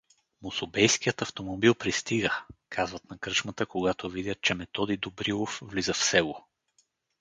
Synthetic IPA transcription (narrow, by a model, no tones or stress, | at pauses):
mosobɛjsk̟ijət̪ɐft̪omobilˠpɾist̪iɡəkʰazvət̪nɐkɾɤt͡ʃmət̪əkoɡat̪ovid̪ʲət̪̚t͡ʃɛmɛt̪ɔd̪id̪obɾilˠofvlizəfsɛɡo